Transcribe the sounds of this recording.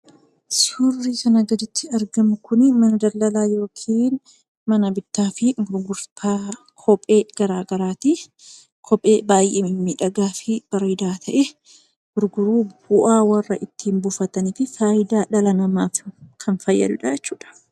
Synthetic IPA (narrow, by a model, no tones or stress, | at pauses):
sɪhurːiːkɐnɐɡɐd̪ɪt̪ʰːɪɐɾɡɐmʊkʊnɪmɐnɐd̪ɐlːɐlaːjo̞ːkʰiːn | mɐnɐbɪt̪ːaːfɪɡʊɾɡʊɾtaː | kʰɔpʼeːɡ̥ɐɾaːɡɐɾaːt̪i | kʰɔpʼeːbaːjʔeːmɪmːiᶑɐɡaːfɪb̥ɐɾiːd̪aːt̪ʰɐʔɛ | ɡ̥ʊɾɡʊɾuːb̥ʊʔaːwɐrːɐʔɪt̪ːiːmbʊfɐt̪ɐnɪfɪfaːjɪd̪aːᶑɐlɐnɐmaːfkʰɐnfɐjːɐ̰d̪ʊᶑad͡ʒɛt͡ʃːuːᶑɐ̥